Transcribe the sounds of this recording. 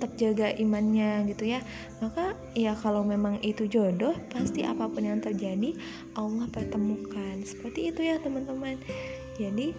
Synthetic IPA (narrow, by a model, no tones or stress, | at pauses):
t̪ap̚d͡ʒaɡaʔimanɲaɡit̪uja | maka | jakalawmemaŋit̪ud͡ʒodɔhpast̪iʔa̰papʊnjaŋt̪ərd͡ʒadi | alahpərt̪əmukansə̥pərt̪iːt̪ujat̪əmant̪əman | d͡ʒadi